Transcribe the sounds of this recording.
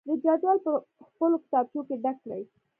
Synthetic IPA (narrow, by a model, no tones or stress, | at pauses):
d̪əd͡ʒad͡ʒwɑlpəxpəlokɪ̥t̪ɑb̚t͡ʃjokeɖaklaji